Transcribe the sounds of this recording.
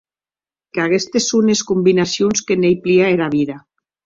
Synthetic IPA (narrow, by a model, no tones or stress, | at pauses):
kaɣest̪esuneskumbinasjonskenejpliaeɾaβiða